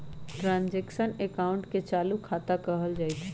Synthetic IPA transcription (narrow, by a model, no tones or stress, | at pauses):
ʈɾãːnzeːkʃənekaːʊ̃ɳʈket͡ʃaːlukʰaːt̪akɐɦəld͡ʒaːit̪ʰe